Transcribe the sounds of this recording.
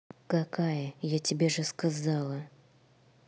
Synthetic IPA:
kakʰajəjatʲɪbʲeʐɨskazɑlˠə

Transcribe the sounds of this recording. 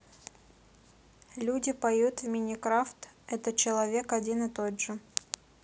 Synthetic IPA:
lʲudʲɪpɐjut̪vmʲɪnʲɪkɾaft̪ɛt̪ət͡ɕɪlˠɐvʲe̞kɐdʲinɨt̪odʐɨ

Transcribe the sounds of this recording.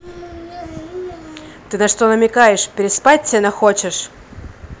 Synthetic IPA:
t̪ɨnɐʂt̪onəmʲɪkajɪʂpʲɪɾʲɪspat̚ʲtʲenɐxot͡ɕɪʂ

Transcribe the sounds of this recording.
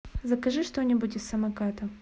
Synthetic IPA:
zɐkɐʐɨʂt̪onʲɪbutʲɪsːɐmɐkat̪ɐ

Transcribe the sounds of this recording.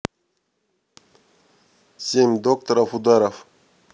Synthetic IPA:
simd̪ok̚t̪aɾafud̪aɾaf

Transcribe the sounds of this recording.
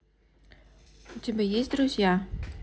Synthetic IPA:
ut̪ʲebʲejesʲt̚ʲd̪ɾuzʲja

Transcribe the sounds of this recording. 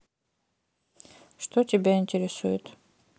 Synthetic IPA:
ʂt̪otʲɪbʲaɪnʲtʲɪɾʲɪsujʊt̪

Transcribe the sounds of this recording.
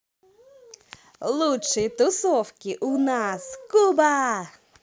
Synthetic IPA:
lˠutʂɨjt̪ʊsɔwkʲiʔʊnaskuba

